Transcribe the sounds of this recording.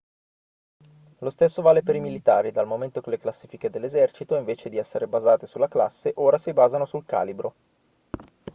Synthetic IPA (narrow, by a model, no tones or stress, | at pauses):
lost̪esːovaːlepeɾimilit̪aːɾid̪almoment̪okeleklasːiːfiked̪elːezɛrt͡ʃit̪oiɱveːt͡ʃed̪iɛsːeɾebazaːt̪esulːakla̰sːeʔoːɾasibaːzanosulka̰ːlibɾo